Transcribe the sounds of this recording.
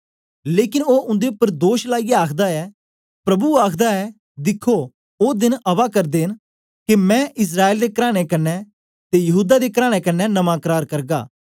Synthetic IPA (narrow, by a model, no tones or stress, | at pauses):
leːkɪnoːʊ̃nd̪eʊpːəɾd̪oːʃlaːijaaːkʰd̪aɛː | pɾɐbuaːkʰd̪aɛː | d̪ɪkʰːo | oːd̪ɪnɐʋakɐɾd̪eːn | kemɛ̃ːʔɪs̬ɾaːeːld̪eːkɾaːɽ̃ekɐnːɛ | t̪ejɐɦuːd̪ad̪eːkəɾaːɽ̃ekɐnːɛnɐmãkəɾaːɾkɐɾɡa̰ː